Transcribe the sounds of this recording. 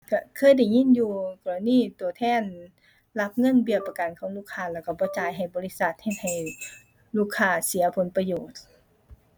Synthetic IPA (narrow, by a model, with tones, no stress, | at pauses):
ka˧˩kʰɤː˧˥˨jda˧˩jŋi˧˥˨njuː˧˩kɔː˧˩la˨˧˨niː˧˥˩t̪u˨˩ət̪ʰɛː˧˥˨n | la˧˥p̚ŋɤ˧˥˨nbi˧˩˨pːa˧˩ka˨nkʰɔː˨˦ŋluː˧˥˩kʰaː˧˨lɛː˧˩wka˧˩bɔː˧˦t͡ɕaː˨˧jɦa˨˩jbɔː˧˦li˧˥sa˧t̪̚he˧˩t̪̚ha˨˩j | luː˧˥˩kʰːaː˧˩si˨˦ɐpʰo˨˦npa˧joː˨˩t̪̚